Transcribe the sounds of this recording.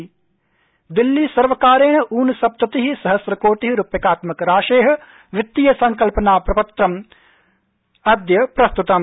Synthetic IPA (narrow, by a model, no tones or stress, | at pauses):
d̪ilːisɐɾʋɐkaːɾeːɳɐʔuːnɐsɐp̚t̪ɐt̪iɦisɐɦɐsɾɐkoːʈiɦiɾupjɐkaːt̪mɐkɾaːʃeːɦɐ̆ | ʋɪt̪ːijɐsɐŋkɐlpɐnaːpɾɐpɐt̪ɾɐm | ɐd̪jɐpɾɐst̪ut̪ɐm